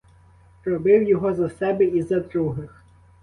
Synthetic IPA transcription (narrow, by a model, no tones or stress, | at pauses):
ɾɔbɪwjɔɦɔzɐsɛbɛizɐd̪ɾuɦɪx